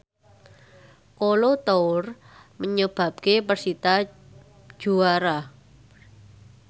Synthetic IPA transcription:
kolot̪oʊr | məɲəb̥ä̤p̚kepərsit̪ḁ | ʒ̥uaɾa

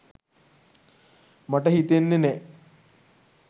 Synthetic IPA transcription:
mɐʈɐɦit̪enːine

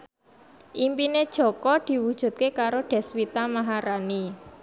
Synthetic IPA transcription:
ʔimpined̥ʒ̥ɔ̤kɔd̪̥i̤wud̥ʒ̥ṳt̪̚kekaɾoɖ̥ɛ̤swit̪amaɦaɾani

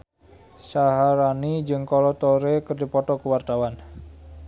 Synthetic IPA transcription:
saɦaɾanid͡ʒɨŋkɔlɔt̪ɔɾekɨrdipɔt̪ɔkuwart̪awan

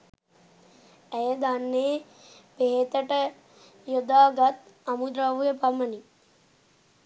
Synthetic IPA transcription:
æjəd̪anːeː | peɦet̪əʈə | jod̪aːɡat̪amud̪ɾaʋujəpaməni

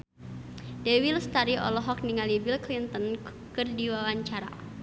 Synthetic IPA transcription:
dɛwilst̪aɾiʔɔ̰lɔɦɔk̚niŋalibilklint̪ɔn | kɨrdiwawaɲt͡ʃaɾa̰

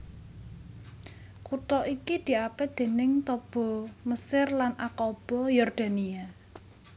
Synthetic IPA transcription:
kut̪ɔʔikid̪̥i̤apɛd̪̥e̤nɪŋt̪ɔb̥ɔ̤məsɪrlanʔakɔb̥ɔ̤jɔrd̪̥a̤nia

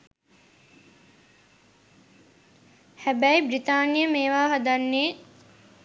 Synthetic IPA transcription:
hæbæibɾit̪aːnijəmeːʋaːɦad̪anːeː

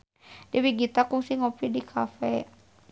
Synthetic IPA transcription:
dɛwiɡit̪akuŋsiŋɔpidikʰafɛ

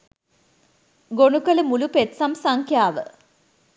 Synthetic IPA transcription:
ɡoɳukɐlɨmulupet̪sɐmsɐŋkʰjaːʋɨ

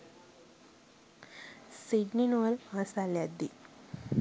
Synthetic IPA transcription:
siɖninʋəɾasaljad̪i

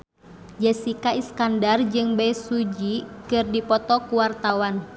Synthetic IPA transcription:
d͡ʒɛsikaiskandard͡ʒɨŋbɛjsud͡ʒikɨrdipɔt̪ɔkuwart̪awan

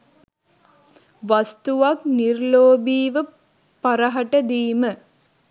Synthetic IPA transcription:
ʋast̪uʋaknirloːbiːʋə | paɾəɦɐʈəd̪iːmə

